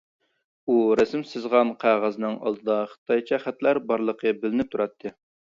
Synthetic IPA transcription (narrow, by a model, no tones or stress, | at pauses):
uɾɛsɪmsɨzʁɑnqʰæʁæznɨŋɑ̰lˠd̪ɨd̪ɑχə̥t̪ʰɑjt͡ʃʰɑχæt̪læɾbɑɾlˠəqʰəbɪlɪnɪp̚t̪ʰuɾɑt̪ʰːɨ